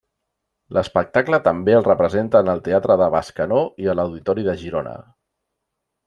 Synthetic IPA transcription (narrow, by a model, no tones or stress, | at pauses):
lʔəspək̚t̪aklət̪əmbeəlrəpɾəzent̪əːnəlˠt̪eat̪ɾəðəβa̰skənoiələwðit̪ɔɾiðəʒiɾonə̰